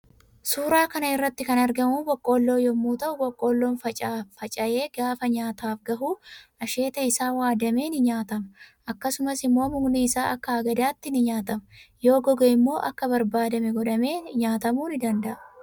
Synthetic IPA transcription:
suːɾaːkɐnɐɪrːɐt̪ːɪkɐnɐɾɡɐmuːbɔkʼːo̞ːlːo̞ːjɔmːuːt̪ɐʔʊɡɔkʼːo̞ːlːo̞ːnfɐt͡ʃʼaːfɐt͡ʃʼɐje̞ːɡaːfɐɲaːt̪aːfɡɐɦuːʔɐʃeːt̪ɐɪsaːwaːd̪ɐme̞ːnɪɲaːt̪ɐmɐʔɐkːɐsʊmɐsɪmːo̞ːmʊɡniːsaːʔɐkːɐɐɡɐd̪aːt̪ːɪnɪɲaːt̪ɐmɐjo̞ːɡɔɡɛɪmːo̞ːʔɐkːɐbɐɾbaːd̪ɐmɛɡɔᶑɐme̞ːɲaːt̪ɐmuːnɪd̪ɐnd̪ɐʔɐ

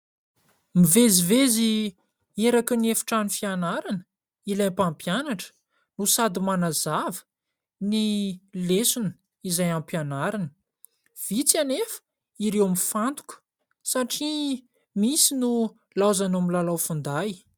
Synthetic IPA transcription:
mivezivezi | eɾakəniefi̥ʈ͡ʂanifianaɾanə̥ | ilapampjanaʈ͡ʂə̥ | nusad̪imanazavə̥ | nilesunə̥ | izajampjanaɾanə̥ | v̥it͡sanefə̥ | iɾewmifant̪u̥ku̥ | saʈ͡ʂi | misinu | lazanamilalawfund̪aj

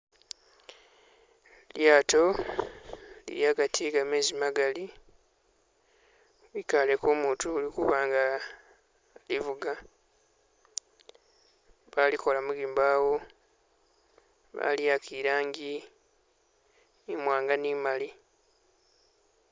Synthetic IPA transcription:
ljaːtʰo̞ | lḭɾjaɡatʰiɡameːzimaɡali | βikale̞koːmuːtulikuβaːŋɡa | livuɡa | βalikʰo̞lamuɡiːmbaːwo̞ | βa̰liakiɾaːŋɡi | mwaːŋɡaniːmali

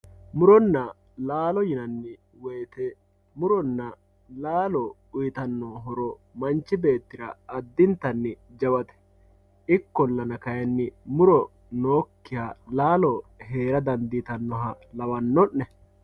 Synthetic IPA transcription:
mʊɾɔnːɐ | laːlɔjɪnɐnːɪ | wɛjːt̪ɛ | mʊɾɔnːɐ | laːlɔ | ʊjɪt̪ɐnːɔɦɔɾɔmɐnt͡ʃːɪbe̞ːt̪ːɪɾɐ̰ɐd̪ːɪnt̪ɐnːɪd͡ʒɐwɐt̪ɛ̥ | ɪkːɔlːɐnɐkɐjɐnːɪmʊɾɔ | noːkːɪjalaːlɔɦe̞ːɾɐd̪ɐnd̪it̪ɐnːɔɦɐ | lɐwɐnːɔnːɛ

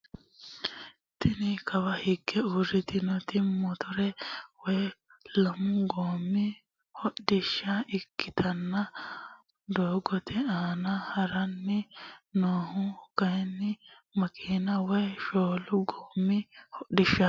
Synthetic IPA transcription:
t̪ɪnɪkʰɐwɐhɪɡːɛuɾɪt̪ɪnɔt̪ɪmɔt̪ʰɔɾɛwɔj | lɐmʊɡoːmːɪ | hɔɗɪʃːɐʔɪkːɪt̪ʰɐnːɐ | d̪oːɡɔt̪ʰɪaːnɐhɐɾɐnːɪnoːhʊkɐjɛnːɪ | mɐkʰʼiːnɐwɔjʃoːlʊɡoːmːɪhɔɗɪʃːɐ

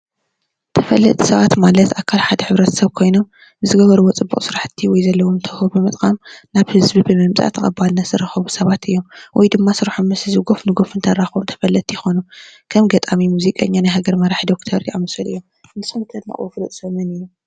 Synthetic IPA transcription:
t̪ʰɐfɐlːɐ̰t̪ʼsɐβat̪malɐt̪akʰalħad̪ɐħɨβɾɐt̪ʰɐ̥sɐβkʰo̞jno̞mː | ɨzɨɡɐβɐɾuwot͡sʼɨbːṵχʼsɨɾaħt̪ʰːiwɔjzɐlːɐwomt̪ʰɐhubɨmɨt̪ʼkʼamnaβhɨzbibɨmɐmt͡sʼa̰ʔt̪ʰɐkʼɐbalnɐzɨɾɐxɐβusɐβat̪ʰɨjːomwʔɔjd̪ɨmːasɨɾaħommɐsɨzɨɡo̞fnɨɡo̞fɨnt̪ʰɐɾaxomt̪ʰɐ̥fɐlːɐt̪ʰijɪxo̞numkʰɐmɡɐt̪ʼamimuzikʼɐɲːanajɦaɡɐɾmɐɾaħd̪o̞kt̪ʰɐɾjamɐsɐlɨ̰jːom | nɨsɨmt̪ʰɐd̪nɐ̰ʔʼwofɨlɨt̪ʼsɐmɐnɨju

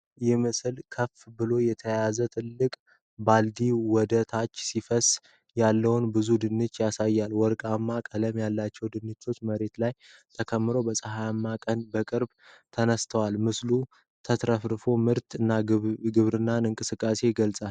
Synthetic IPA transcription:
jɛmɨsɨlkʰəfbɨlo̞jɛt̪ʰəjazət̪ʰɨlːɨkʼ | bald̪iwɔd̪ət̪ʰat͡ʃːsifəs | jalːəwʊnbɨzud̪ɨnːɨt͡ʃːjasajːalwɔɾkʼamːakʼələmjalːat͡ʃːɛwd̪ɨnːɨt͡ʃːo̞t͡ʃːməɾe̞t̪laj | t̪ʰəkʰəmːɨɾo̞bəsʼəɦajamːakʼənbəkʼɨɾb | t̪ʰənəst̪ʰəwalmɨslu | t̪ʰət̪ɾəfɾɨfo̞mɨɾt̪ɨnːaɡɨβɾɨnːanɨŋkʼɨsɨkʼːase̞ɡəlsʼal

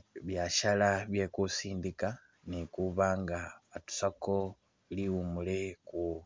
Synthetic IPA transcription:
βjaʃalaβje̞kusiːndika | nikuβaːŋɡaːtu̥sako̞ | liumule̞ku

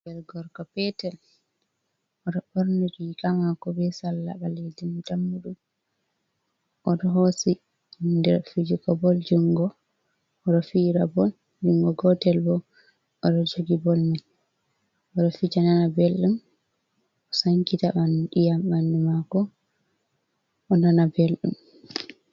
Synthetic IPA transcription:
bɛlɡɔɾkɔpɛtɛl | ʔɔɗɔbɔɾniɾikamakɔbɛsalːa̰baledimtamːuɗum | ʔɔɗɔɦosi | ndɛɾfid͡ʒikɔbɔld͡ʒuŋɡɔː | ɗɔfiɾabɔl | d͡ʒuŋɡɔɡɔtɛlbɔ | ɔɗɔd͡ʒoɡibolmin | ʔɔɗɔfid͡ʒananabelɗum | ʔɔsaŋkitamanɗijamːanːimakɔ | ʔːnanabelɗṵm

